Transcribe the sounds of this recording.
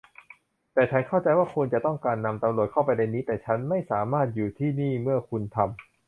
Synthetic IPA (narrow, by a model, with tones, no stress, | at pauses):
t̪ɛː˨˩t͡ɕʰa˦˥nkʰa˥˩wt͡ɕa˧jwaː˥˩kʰu˧nt͡ɕa˨˩t̪ɔ˥˩ŋkaː˧nːa˧mt̪a˧mɾlu˨˩ət̪̚kʰa˥˩wpa˧jna˧jniː˦˥t̪ɛː˨˩t͡ɕʰa˦˥nma˥˩jsaː˩˦maː˥˩t̪̚juː˨˩t̪ʰiː˥˩niː˥˩mɯ˥˩ɐkʰu˧nt̪ʰa˧m